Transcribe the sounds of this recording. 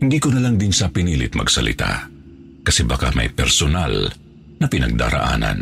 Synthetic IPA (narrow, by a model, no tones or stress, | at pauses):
hɪnd̪iːkonɐlaŋd̪ɪnsɐpɪniːlɪt̪̚mɐ̰ɡsɐlɪ̰t̪a̰ | kɐsɛbɐka̰mɐ̰jpɛɾsona̰l | nɐpɪnɐɡ̚d̪a̰ːɾɐ̰ʔa̰ːnɐ̰n